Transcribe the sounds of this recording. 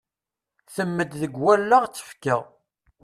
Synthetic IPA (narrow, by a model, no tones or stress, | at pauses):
θəmːəd̪ðəɡwælːaʁt͡sːə̥fkəʁ